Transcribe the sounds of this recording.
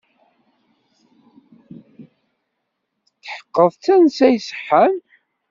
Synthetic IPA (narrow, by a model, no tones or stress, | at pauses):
θħə̥qːəðˤθænsæjsə̥ħːən